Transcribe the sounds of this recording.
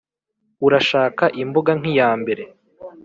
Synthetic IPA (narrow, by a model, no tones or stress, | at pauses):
uɾaʃaːkaʔimboɡaŋ̥ijaːmbe̞ɾe̞